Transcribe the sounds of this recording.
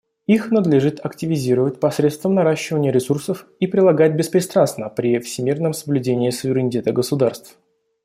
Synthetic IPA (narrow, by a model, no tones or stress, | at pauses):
ixnəd̪lʲɪʐɨt̪ɐktʲɪvʲɪzʲiɾəvət̚ʲpɐsɾʲet̪st̪vəmnɐɾaɕːɪvənʲɪjəɾʲɪsursəfipɾʲɪlˠɐɡatʲbʲɪspɾʲɪst̪ɾanst̪nəpɾʲɪfsʲɪmʲirnəmsəblʲʉdʲenʲɪːsʊvʲɪɾʲɪnʲɪtʲe̞t̪əɡəsʊd̪arst̪f